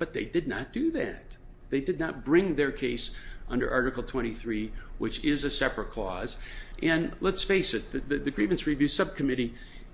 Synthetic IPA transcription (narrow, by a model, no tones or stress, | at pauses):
b̥ʌt̪̚ðeɪdɨdⁿnə̰t̚d̥ɨðæ̰t̪̚ | ðeɪdɨdⁿnət̚b̥ɹɪ̃ŋðə˞kʰeɪsʔʌ̃ndə̰˞ʔɑɹɾɨkl̩ˠtʰw̥ɛ̃ɾ̃iθɹiwɨt͡ʃɪzɨsɛpɹɨt̚kʰl̥ɔ̰zʔɨ̃nlətsfeɪsɨt̪̚ðɨðɨɨɡɹĩmɨ̃ntsɹivjʉsʌb̚kʰɨmɪɾi